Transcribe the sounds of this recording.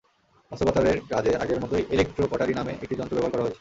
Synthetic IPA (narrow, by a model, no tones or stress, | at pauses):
ɔsobat̪aɾeɾkad͡ʑea̰ɡeɾmɔt̪ojʔelek̚ʈɾopɔʈaɾinamḛʔḛkʈid͡ʑɔnt̪ɾobɛboaɾkɔɾaɦoet͡ɕʰe̥